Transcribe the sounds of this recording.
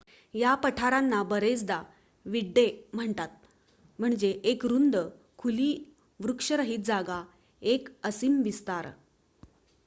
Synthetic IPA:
japəʈʰaɾanːabəɾet͡sd̪a | ʋiɖːem̤əɳt̪at̪̚ | m̤əɳd͡ʑeʔekɾund̪ə | kʰuliː | ʋɾukʂəɾəɦiːt̪̚d͡zaɡa | ekəsimʋist̪aɾ

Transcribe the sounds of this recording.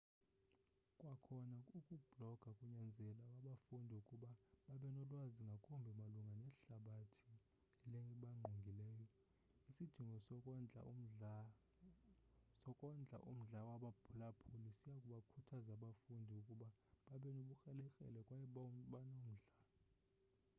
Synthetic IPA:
kʼwakʰɔnaukʼub̥ʱlɔɡ̥ʱakʼuɲand͡zʱɛlawaɓafundʱiukʼuɓaɓaɓɛnɔlwaziŋɡʱakʼumbʱimaluŋɡʱanɛɬaɓatʰi̥ | ɛlɛŋɡiɓaŋ͡ǃʱuŋɡʱilɛːjɔ | isid̥ʱiŋɡʱɔsɔkʼnd͡ɮʱa̰ | sɔkʼɔnd͡ɮʱa̰ʔṵm̩ɮawaɓabʰulapʰulisijakʼuɓakʰutʰazaɓafundʱiukʼuɓaɓaɓɛnoɓuxʼɛlɛkʼɛ̰lɛkʼwɓanom̩ɮa

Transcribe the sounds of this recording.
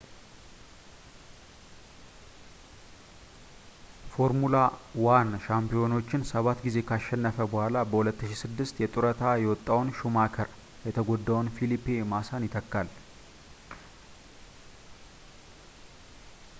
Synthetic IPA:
fo̞ɾmulawanʃampijo̞no̞t͡ʃːɪnsəβat̪ːɡize̞kʰaʃːɛnːəfəbəhʷalabəhulət̪ːɨʃisɨd̪ːɨst̪jɛt̪ʼuɾət̪ʰajɛwɔt̪ʼːawnʃumakʰəɾ | jɛt̪ʰəɡod̪ːawnfilipːemasanjɪt̪ʰəkːal

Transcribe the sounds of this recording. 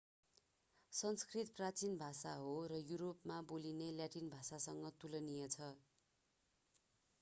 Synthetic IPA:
sʌnskrit̪prat͡sinbʱasaɦorʌjuɾopmabolineljaʈinbʱasasʌŋɡʌt̪ulʌnijʌt͡sʰʌ

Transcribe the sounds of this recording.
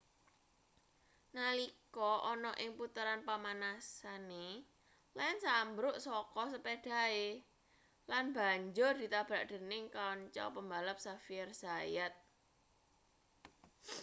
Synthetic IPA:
nəlikɔʔɔnɔʔɪŋput̪əɾanpamanasane | lansambɾʊʔsɔkɔsəpeɖ̥a̤e | lanb̥a̤ɲd͡ʒʊrd̪̥i̤t̪ab̥a̤ʔɖ̪̥ə̤nɪŋkaɔɲt͡ʃɔ̰pəmbaləp̚safirz̥ajat̪̚

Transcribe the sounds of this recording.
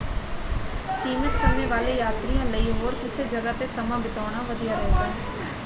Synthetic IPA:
siːmət̪səːmẽːʋaːleːjaːt̪ɾijãːləiːɦoːɾkɪseːd͡ʒəɡaːt̪eːsəmãːbɪt̪aːɽ̃aːʋəd̪ijaːɾəːd̪ãː

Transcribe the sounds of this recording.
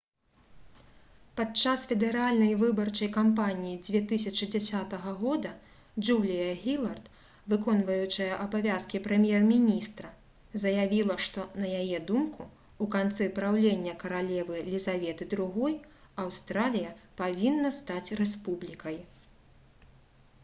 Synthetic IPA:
pat̪̚t͡ʂasfʲɛd̪ɛɾalʲnɐjvɨbɐrt͡ʂɐjkampanʲijid͡zʲvʲɛt̪ɨsʲɐt͡ʂɨd͡zʲasʲat̪ɐɣɐɣɔd̪ɐ | d͡ʐulʲijɐɣʲilˠɐrt̪ | vɨkɔnvɐjut͡ʂɨjɐʔɐbavʲaskʲipɾɛmʲjɛrmʲinʲist̪ɾɐ | zɐjavʲilˠɐʂt̪ɔnɐjajɛd̪umku | ukant̪sɛpɾawlʲenʲːɐkɐɾalʲɛvɨlʲizavʲɛt̪ɨd̪ɾuɣɔjɐwst̪ɾalʲijɐpavʲinːɐst̪at͡sʲrɛspublʲikɐj

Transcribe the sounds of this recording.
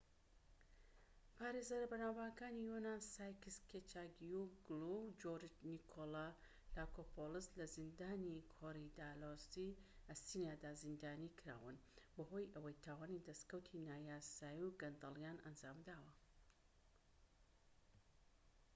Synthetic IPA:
pʰaːɾezaɾɐbɐnawbaːkaːnijonasaːjkɨskʰet͡ʃaɡjuɡlud͡ʒoɾitnikʰola | laːkʰopʰolɨslɐzind̪aːnikʰoɾid̪aːlosiɐsinijaːd̪aːzind̪aːnikʰɨɾa̰ːwɨnbɐɦo̞jʔɐwɐjt̪ʰaːwaːnid̪ɐskɐwt̪ʰinaːjaːsaːjiwɡɐnd̪ɐlˠjaːnʔɐnd͡ʒaːmd̪aːwɐ

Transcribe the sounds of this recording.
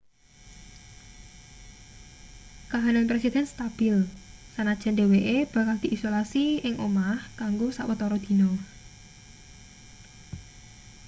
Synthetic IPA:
kaɦananpɾesid̪̥ɛ̤nst̪ab̥ɪlsanad̥ʒ̥a̤ndeweʔeb̥a̤kald̪̥i̤ʔisolasiɪŋʔomahkaŋɡosaʔwət̪ɔɾɔd̪̥i̤nɔ

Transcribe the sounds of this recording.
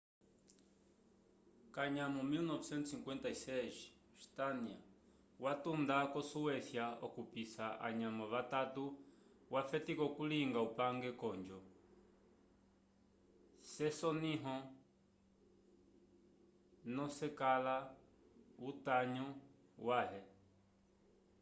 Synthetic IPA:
kaɲamɔmilnɔvsɛnt̪usiŋkwɛnt̪aisɛʃ | st̪ania | watund̪akɔsuwɛθjaɔkupisaa̰ɲamɔβatatu | wafɛtikɔkuliŋɡaupaŋɡɛkɔɲd͡ʒɔ | sɛsɔniɦɔ | nɔsɛkala | utaɲɔwaɦɛ

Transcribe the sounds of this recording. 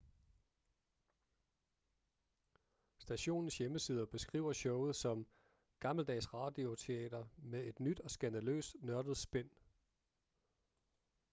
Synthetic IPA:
sd̥æɕo̝̰ːnn̩sjeməsiːð̞ˠɐb̥e̝sɡ̥ʁḭːʊ̰ɐɕɔʊð̩ˠsɒ̽m | ɡ̥ɑ̈ml̩d̥ɛ̰ːsʁɑ̈ːd̥io̝t͡sʰe̝ɛ̰ːd̥ɐmeðe̝d̥nyd̥ɒ̽sɡ̥ænd̥ælø̰ːsnɶɐd̥ð̞̩ˠsb̥en̰

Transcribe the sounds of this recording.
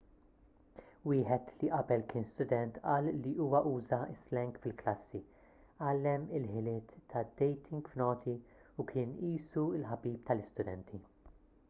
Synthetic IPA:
wɪːħɛt̪liʔɐbɛlkɪːnst̪ʊd̪ɛnt̪ʔɐːlːiʔuːwɐʔuːzɐɪslɛŋkfɪlklɐsːi | ʔɐlːɛmɪlħɪlɪːt̪ːɐd̪ːɛjt̪ʰɪ̃ŋɡfnɔːt̪ʰiukʰɪːniːsuɪlħɐbiːpt̪ɐlɪst̪ʊd̪ɛnt̪ʰi

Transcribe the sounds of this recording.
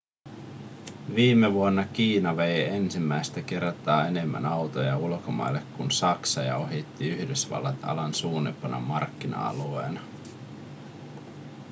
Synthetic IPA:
ʋiːmːeʋuonːɑk̟iːnɑʋe̞jensimːæjst̪æke̞rt̪ɑːe̞ne̞mːæ̰nɑwt̪ojɑulkomɑ̰jlːekːunsɑksɑjɑo̞ɦit̪ːiyhdysʋɑ̰lːɑt̪ɑ̰lɑnsuːnːḭpːɑnʔɑ̰mɑrkːinɑ̰ɑ̰luḛːnɑ

